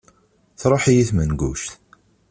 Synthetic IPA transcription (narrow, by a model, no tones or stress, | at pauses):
θɾˤoħijiθmənɡṵʃt̪